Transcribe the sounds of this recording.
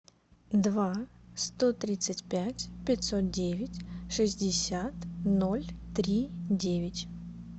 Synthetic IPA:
d̪vast̪o̞t̪ɾʲit̪sɨtʲpʲætʲpʲɪtʲso̞t̪̚dʲevʲɪtʲʂɨzʲdʲɪsʲat̪no̞lʲt̪ɾʲidʲevʲɪtʲ

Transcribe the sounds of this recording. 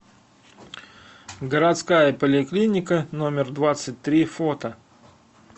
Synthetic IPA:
ɡəɾat̪skajəpəlʲɪklʲinʲɪkənomʲɪrd̪vat̪sɨt̚ʲt̪ɾʲifot̪ə

